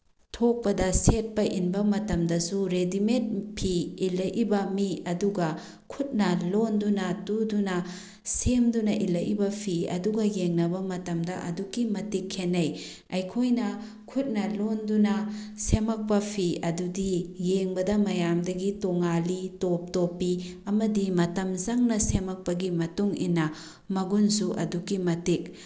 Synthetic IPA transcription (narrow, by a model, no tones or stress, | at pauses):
tʰok̚pɐdɐset̚pɐʔinbɐmɐtɐmdɐsuɾediment̚pʰiilɐʔibɐmiɐduɡɐ | kʰut̚nɐlondunɐtudunɐ | semdunɐʔilɐjʔibɐpʰiɐ̰duɡɐjeŋnɐbɐmɐtɐmdɐʔɐ̰dukːimɐtikʰːenːɐj | ɐjkʰojnɐ | kʰut̚nɐlondunɐsemɐk̚pɐpʰiɐdudijeŋbɐdɐmɐjamdɐɡitoŋalitop̚topːiɐmɐdimɐtɐmzɐŋnɐsemɐk̚pɐɡimɐtuŋḭnːɐ | mɐɡunsuʔɐ̰dukimɐtik̚